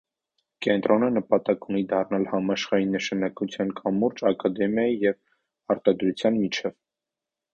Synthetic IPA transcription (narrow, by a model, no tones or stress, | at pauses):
kɛnt̪ɾʔɔnənəpɑt̪ɑkunid̪ɑrnɑlhɑmɑʃχɑinəʃɑnɑkut͡sʰjɑnkʰɑmːuɾt͡ʃɑkɑd̪ɛmjɑjijɛv | ɑɾt̪ɑd̪ɾut͡sʰjɑnmit͡ʃʰɛv